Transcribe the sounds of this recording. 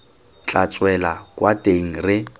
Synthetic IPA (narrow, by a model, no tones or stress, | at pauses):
t͡ɬʼat͡sʼwɛlakʼwatʼeŋ̩rɪ